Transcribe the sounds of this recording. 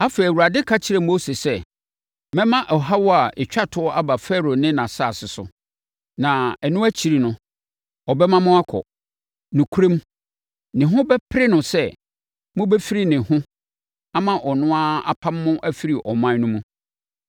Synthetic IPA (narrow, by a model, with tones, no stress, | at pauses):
a˦fe˨i˨æ˨wu˨ɾa˨dɪ˦kʰa˦t͡ɕʰɪ˦ɾɛ˨m˦o˦se˨sɛ˦ | mɛ̃˦mã˦ʔɔ˨ɦa˦wɔ˦a˨ɪ˨t͡ɕᶣa˦tʰʊ˨˦ɔ˦ʔa˦ba˨fɛ˦ɾo˨nɪ̃˦nã˨saː˦˨sɪ˨sʊ̰˨ | nã˨ɛ˨nʊ̃˦æ˦t͡ɕʰi˨ɾi˨nʊ̃˦ | ɔ˨bɛ˦mã˦mʊ̃˦a˦kʰɔ̰˨ | nʊ̃˨kʰu˦ɾẽ˦m | nɪ̃˨ɦʊ̃˦bɛ˦pʰɪ˦ɾɪ˦nʊ̃˨sɛ˦ | mʊ̃˦bɛ˦fi˦ɾi˦˨nɪ̃˨hʊ̃˦ | a˦mã˦ʔɔ˨nʊ̃˦a˦a˨pʰã˦mːʊ̃˦ʔæ˦fi˦ɾi˨ʔɔ˨mã˦nʊ̃˦mũ˦